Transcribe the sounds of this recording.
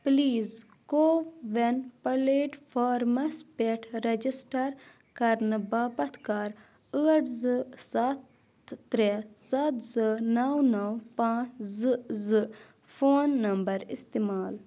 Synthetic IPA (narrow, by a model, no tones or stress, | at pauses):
pliːz | koːʋenpɐleːʈfʰaːɾmɐspeʈʰɾɐd͡ʒisʈɐɾ | kɐɾnɨbaːpɐt̪ʰkaːɾ | əːʈzɨsɐt̪ː | ɾesɐt̪zɨnɐwnɐwpãːt͡ʃzɨzɨ | foːnːɐmbɐɾist̪imaːl